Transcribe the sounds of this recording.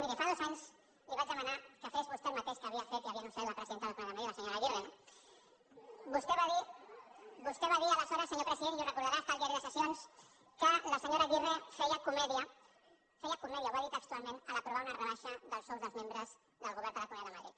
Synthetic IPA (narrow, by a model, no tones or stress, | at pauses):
ɾikefaðozaɲs | liβad͡ʒðəmanakəfezβust̪elmat̪eʃkaβiafet̪iaβianosfeɾlaɐpɾəsiðent̪ðlkuejaðmðɾit̪lasəɲoɾaβireno | bust̪eβaði | bust̪eβaðialasɔɾasəɲopɾəsiðenurəkuɾðaɾast̪aliaɾiðəsəsjons | kəlasəɲoɾaβirefejakumɛðja | fejakuneðjaβaðit̪əkst̪ualmẽnəlapɾuβaunarəβaʃəðəlˠsozðəlzmẽmbɾəz̥ | ðəlˠɣuβɛɾnd̪əlakumejaðəmaðɾḭt̪̚